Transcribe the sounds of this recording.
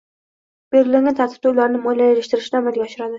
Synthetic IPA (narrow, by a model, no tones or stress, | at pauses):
b̥eɾɪlɪŋʲant̪ʰat̪ʰɪ̥b̚t̪ʊlaɾnɪmojlajeɾɪʃt̪ɪɾɪʃnamɪlɡʲɒʃɪɾad̪ɪ